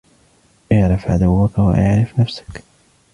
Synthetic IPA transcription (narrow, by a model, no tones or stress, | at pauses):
ʔɪʕɾˤɑfʕad̪awːakawa̰ʔaʕɾɪfnafsḁk